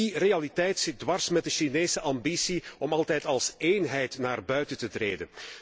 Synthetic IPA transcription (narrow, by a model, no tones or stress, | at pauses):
irealitɛjtsɪt̚dwɑrsmɛt̚dəʃineːsəʔɑmbisiɔmɑlˠtɛjtɑlˠseːnɦɛjtnaːrbœɥtəntətreːdə̰n